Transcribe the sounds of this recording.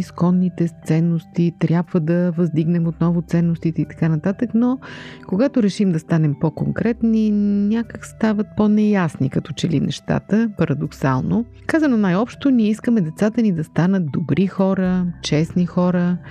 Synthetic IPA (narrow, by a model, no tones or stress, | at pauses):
iskɔnːit̪ɛst̪sɛnːost̪it̪ɾʲjabvəd̪ɐvɐzd̪iɡnɛmot̪nɔvʊt̪sɛnːost̪it̪ɛit̪ɐ̥kanɐt̪at̪əknokoɡat̪oɾɛʃimd̪ɐst̪anɛmpokoŋkɾɛt̪ninʲakəkst̪avət̪̚ponɛjasnikɐt̪ɔt͡ʃɛlḭnɛʃt̪a̰t̪əpɐɾɐd̪oksa̰lˠno | kazənonajɔpʃt̪oniɛiskəmɛd̪ɛt̪sat̪ənid̪ɐst̪anət̪̚d̪obɾʔixɔɾət͡ʃɛsnixɔɾə